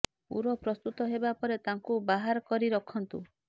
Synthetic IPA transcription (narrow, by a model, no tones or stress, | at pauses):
ṵɾɔpɾɔst̪ut̪ɔɦebapɔɾet̪aŋkubaɦaɾɔkɔɾiɾɔkʰɔnt̪u